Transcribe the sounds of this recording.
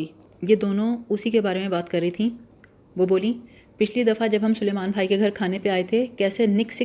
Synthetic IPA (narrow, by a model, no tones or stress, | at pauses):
i | jed̪oːnõʊsikebaːɾemẽbaːt̪kɐɾːəɦit̪ʰĩː | ʋoːboːlĩ | pɪt͡ʃʰlid̪ɐfad͡ʒɐbʱɦɐmsʊleːmaːnbʱaːikeɡʱɐɾkʰaːnepeaːet̪ʰekɛːsenɪksɪ